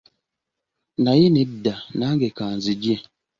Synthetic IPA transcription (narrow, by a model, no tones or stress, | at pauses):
najinɛdanaŋɡekaːnzid͡ʒiɛ̃